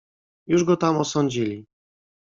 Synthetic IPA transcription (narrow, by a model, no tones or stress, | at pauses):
juʐɡɔt̪amɔsɔɲd͡ʑilʲi